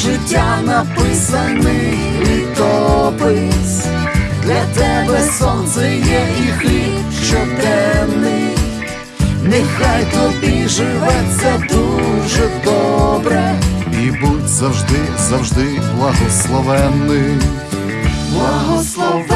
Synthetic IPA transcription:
ʒɪtʲːanɐpɪsɐnɪ | lʲid̪ɔbɪsʲ | d̪lʲɐt̪ɛbɛsɔnzɐjɛixlʲipʃt͡ʃɔt̪ɛnnɪj | nɛxajt̪ɔbʲiʒɪʋɐt͡sʲːɐd̪uʒɛd̪ɔbɾɛibutʲzɐwʒd̪ɪzɐwʒd̪ɪblˠɐɦɔslˠɔʋɛnːɪ | blˠɐɦɔslˠɔ

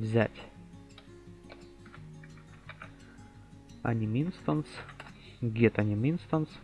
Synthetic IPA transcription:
vzʲæ̰tʲ | a̰nʲɪmʲinst̪ɐns | ɡʲet̪anʲɪmʲinst̪əns

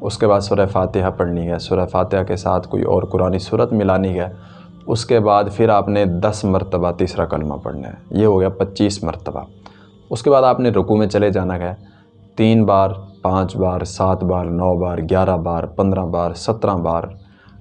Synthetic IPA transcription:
ʊskebaːd̪sʊɾəfaːt̪ɪɦapəɽniɦɛːsʊɾəfʰaːt̪ɪɦakesa̰ːt̪ʰko̰ːḭʔɔ̰ːɾkʊɾaːnisuːɾət̪mɪlaːniɦɛː | ʊskebaːd̪pʰɪɾaːpned̪ɐsməɾt̪əbat̪iːsɾakəlmã̰pə̰ɽna̰ɦɛ̰jeɦoɡejapətːʃiːsmə̰ɾt̪əba̰ | ʊskebaːd̪aːpneɾʊkumẽt͡ʃəled͡ʒaːnakɛː | t̪iːnbaːɾpãːt͡ʃbaːɾsaːt̪ʰbaːɾnɔːbaːɾɡjaːɾabaːɾpə̃nd̪ɾãbaːɾsət̪ɾãbaːɾ

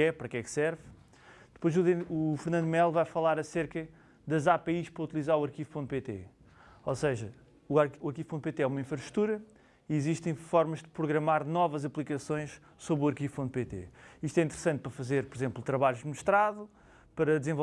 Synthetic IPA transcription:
ɛpɐɾɐkɛksɛɾv | d̪ɨ̥pojzuufɾnɐ̃nd̪mɛlˠvajfɐlˠaɾɐseɾkɐ | ðɐzapeiʃpɾɐut̪ilˠizaɾuɐɾkiv̥põnt̪̚pet̪ḛ | osɐʒɐ | uaɾuɐɾkiv̥põnt̪̚pet̪eɛumɐĩfɾɐʃt̪ɾu̥t̪uɾɐ | iziʃt̪ɐ̃j̃fɔɾmɐʒd̪ɨpɾuɣɾɐmaɾnɔvɐzɐplˠikɐsõj̃ʃ | soβɾuɐɾkiv̥põnt̪̚pet̪ḛiʃt̪wɛĩnt̪ɨɾsɐ̃nt̪̚pɾɐfɐzeɾpɔɾizẽmplˠt̪ɾɐβaʎuʒd̪muʃt̪ɾaðu | pɐɾɐd̪zẽvo

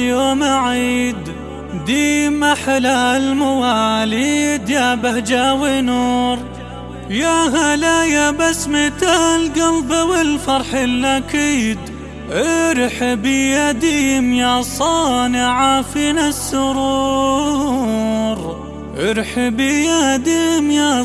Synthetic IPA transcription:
joːmaʕid̪ | d̪iːmaħalalmawaliːd̪jabahd͡ʒawɪnuːɾ | jaɦalajabasːmɪt̪alɡalbawɪlfɑɾˤħɪlːakiːd̪ | ʕɪɾħbijad̪imjasˤɑːnɪʕafinasːʊɾuː | ɾ | ʕɪɾħbijad̪iːmja

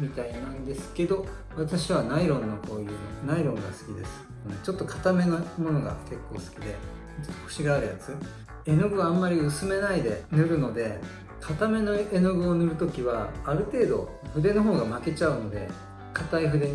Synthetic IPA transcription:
mʲit̪ainãnd̪e̞sɨ̥ke̞d̪o̞ | βat̪aɕiβanaiɾõ̞nːoko̞ːjɯːnaiɾõ̞ŋɡasɨ̥kʲid̪e̞sɨ̥konot͡ɕo̞t̪ːo̞kʰḁt̪ame̞namo̞no̞ɡa̰ke̞kːo̞ːsɨ̥kʲid̪e̞̰ | o̥t̪ːo̥ko̥ɕiɡaːɾɯ̟ja̰t͡sɨ | e̞noɡɯ̟βaːmːaɾʲiɯsɨme̞naid̪e̞nɯ̟ɾɯ̟no̞d̪e̞ | kʰat̪ame̞noe̞noɡɯ̟o̞nɯ̟ɾɯ̟t̪o̞kʲiβaːɾɯ̟t̪e̞ːd̪o̞̰ | ɸɯ̟d̪e̞no̞ɦo̞ːɡamake̞t͡ɕaɯ̟no̞d̪e̞̰ | kat̪aiɸɯ̟d̪e̞ɲ

